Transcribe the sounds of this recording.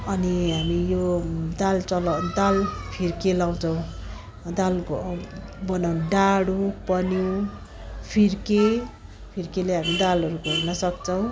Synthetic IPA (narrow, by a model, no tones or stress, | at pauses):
ʌniɦamijod̪alt͡sʌlad̪alpʰirkelaw̃t͡sʰʌw̃ | d̪alɡ | bʌnawnɖaɽupʌnjiw | pʰirke | pʰirkeleɦamid̪alɦʌɾuɡʱornʌsʌkt͡sʰʌw̃